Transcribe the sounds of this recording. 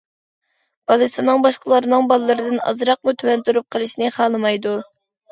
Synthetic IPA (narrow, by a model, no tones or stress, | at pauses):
b̥ɑlˠɨsɨnɨŋbɑʃqəlˠɑɾɨnɨŋbɑlˠɨlːˠɨɾɨd̪ɨnɑ̰zɾɑq̚mut̪ʰywɛnt̪uɾup̚qʰəlˠɨʃnɨχɑːlˠɨmɑjd̪u